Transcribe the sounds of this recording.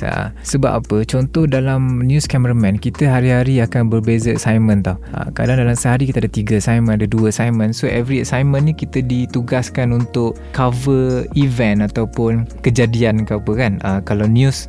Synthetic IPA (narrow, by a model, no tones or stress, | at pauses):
a̰səba̰pa̰pət͡ʃɔnt̪ɔhdalamnjuskaməɾamɛ̃nkit̪əɦaɾiɦaɾiakanbərbezəəsajmə̃nt̪ɔhə̰ka̰daŋdalamsəɦaɾikit̪əadət̪iɡəsajmə̃nadəduəəsajmə̃nsoʔɛvɾiəsajmə̃nːĩkit̪ədit̪uɡaskanunt̪ʊʔ | kavəivɛnat̪awpʊnkəd͡ʒadiankaapəkanəkalawnjus